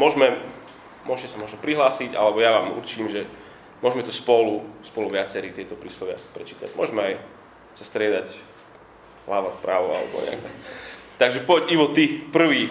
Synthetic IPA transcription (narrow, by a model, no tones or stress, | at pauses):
mʊɔʒmɛ | mʊɔʃcɛsamʊɔʒnɔpɾiɦlaːsiɟa̰lɛbɔjaʋaːmṵɾt͡ʃiːmʒɛ | mʊɔʒmɛt̪ɔspɔluspɔluʋɪat͡sɛɾiːt̪ɪɛt̪ɔpɾiːslɔʋɪa̰pɾɛt͡ʃiːt̪a̰ɟmʊɔ̰ʒmɛaj | sast̪ɾɪɛd̪ac | laːʋat̪pɾaːʋɔ̰a̰lɛ̰bɔ̰ɲɛ̰a̰k̚t̪akt̪aɡʒɛpɔciʋɔt̪ipr̩ʋiː